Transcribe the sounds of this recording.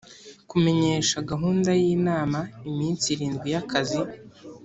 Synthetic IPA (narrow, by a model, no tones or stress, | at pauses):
kume̞ɲe̞ːʃaɡaɦuːndajiːnaːmaimiːnt͡siɾiːnɡwijakʰazi